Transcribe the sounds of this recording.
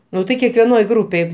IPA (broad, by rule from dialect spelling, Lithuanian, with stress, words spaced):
ˈnʊ tɐɪ kʲɛkʋʲɛˈnoːj ˈɡruːpʲeːj